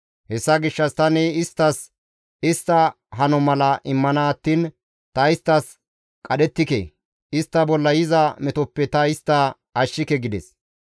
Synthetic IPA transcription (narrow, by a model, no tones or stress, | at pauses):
hɛsːɐɡɪʃːɐst̪ɐnɛɪst̪ːɐs | ɪst̪ːɐ | ɦɐnɔmɐlɐʔɪmːɐnaːt̪ːiːn | t̪ɐɪst̪ːɐs | kʼɐɗɛt̪ːɪkḛ | ɪst̪ːɐbɔlːɐjɪzɐmɛt̪ɔpːɛt̪ɐɪst̪ːɐ | ɐʃːɪkɛɡɪd̪ɛs